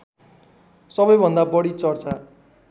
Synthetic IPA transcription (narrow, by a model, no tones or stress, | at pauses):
sʌbʌjbʱʌnd̪abʌɽit͡sʌrt͡sa